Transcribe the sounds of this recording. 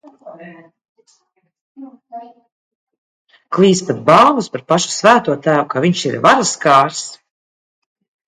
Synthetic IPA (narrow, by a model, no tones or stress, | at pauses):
klˠiːspat̪̚balˠvuspaɾpaʃu̥svæːt̪uɔt̪æːwukavʲiɲʃiɾvaɾaskaːɾs